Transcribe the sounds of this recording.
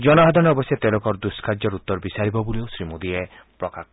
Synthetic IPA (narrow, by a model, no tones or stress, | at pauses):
d͡ʒɔnɔɦad̪ʱɔnɔɔbɔsjat̪elɔkɔɾd̪uskʰaɾd͡ʒɔɾut̪ːɔɾbisaɾibɔbuliosɾimud̪ie | pɾɔkak